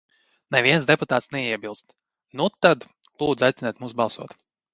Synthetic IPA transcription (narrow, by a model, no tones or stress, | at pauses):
nɛvʲiɛnzd̪ɛput̪aːt̪snɛiɛbilˠst̪ | nut̪ad̪ | lˠuːd̪zajt̪ɪnɛjt̪muːsbɑlˠsuɔt̪